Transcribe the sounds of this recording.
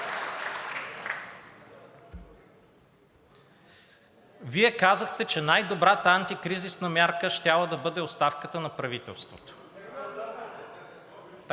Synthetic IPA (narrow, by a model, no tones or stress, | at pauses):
viɛkazəxt̪ɛt͡ʃɛnajd̪obɾat̪əant̪ikɾizisnɐmʲjaɾkəʃt̪ʲalˠəd̪ɐbɤd̪ɛost̪afkət̪ənɐpɾɐvit̪ɛ̰lˠst̪vot̪o̥